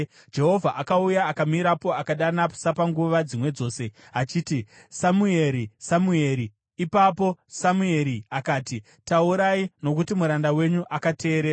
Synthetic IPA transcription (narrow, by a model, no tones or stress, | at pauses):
d͡ʒe̞ɦo̞vʱaʔakaujaːkamiɾapo̞akaɗanḁsapaŋɡuʋad͡zimwe̞d͡zo̞ːse̞ | at͡ʃiːti | samue̞ɾisamue̞ːɾiː | papo̞samue̞ɾiakaːti | tauɾaino̞kutimuɾandawe̞ɲuʔakate̞ːɾeːra